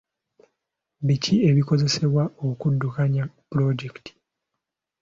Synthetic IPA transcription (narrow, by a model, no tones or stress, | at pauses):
βicie̞βiko̞ze̞se̞βwaokudːukaɲapuɾo̞ɟekti̥